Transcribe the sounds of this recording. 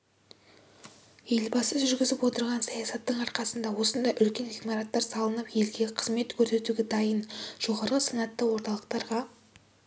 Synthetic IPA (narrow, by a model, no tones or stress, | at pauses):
je̞lbɑsəzʒʒʏɾɡʲɪzɪpwo̞t̪əɾʁɑnsɑjɑsɑt̪ːəɴɑɾqɑsənd̪ɑwo̞sənd̪ɑʔʏlkʲe̞niɡmɑɾɑt̪ːɑɾsɑlˠənəpje̞lɡʲeqʰəzme̞t̪kʲʰɵɾse̞t̪uɡʲɪd̪ɑjənʒ̥o̞ʁɑɾʁəsənɑt̪ːəwo̞ɾt̪ɑlˠəqt̪ɑɾʁɑ